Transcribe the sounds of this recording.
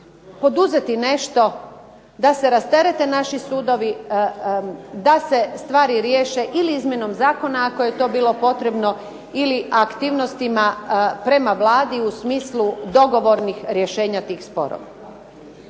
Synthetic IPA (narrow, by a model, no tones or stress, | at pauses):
po̞d̪uzet̪ine̞ʃt̪o̞ | d̪ase̞ɾast̪eɾe̞t̪e̞naʃisuːd̪o̞ʋi | d̪ase̞st̪ʋaːɾiɾje̞ːʃe̞ʔiliizmʲjeno̞mzaːko̞naako̞jet̪o̞ːbiːlo̞po̞t̪ɾe̞bno̞ | iliakt̪iːʋno̞st̪imapɾe̞maʋlaːd̪iusmiːslˠud̪o̞ɡo̞ʋo̞ɾnixɾje̞ʃe̞ːɲat̪iːxspo̞̰ɾo̰ʋa̰